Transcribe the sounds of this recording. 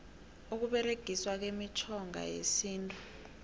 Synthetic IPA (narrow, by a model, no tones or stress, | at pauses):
uk̬uɓɛreɡ̥ʱiswak̬emit͡ʃʰɔŋʱa̰jḛsiːntʼu̥